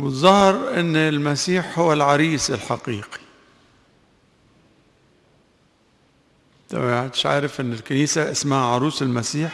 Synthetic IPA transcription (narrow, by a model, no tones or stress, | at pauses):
wɪt̪zˤɑhɾʔɪnːlmasiːħhʊwːalʕɑɾiːsɪlħaqiːqi̥ | t̪a̰ʕt̪ɪ̥ʃʕa̰ːɾɪfʔɪnːɪlkaniːsaʔɪsmahaʕɑɾˤuːsɪlmasiːħ